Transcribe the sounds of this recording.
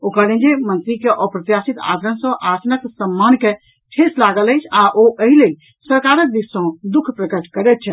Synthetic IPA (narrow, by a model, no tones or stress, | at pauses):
okəɾlẽnd͡ʒemənt̪ɾikeʔəpɾət̪jasit̪a̰d̪ʱɾənsə̃ʔasnəksəmːanke | ʈʰeslaɡələjt͡ʃʰaʔoʔəɦilel | səɾkaɾək̚d̪issə̃d̪ukʰpɾəkəʈʰkəɾɛt̪̚t͡ʃʰɛ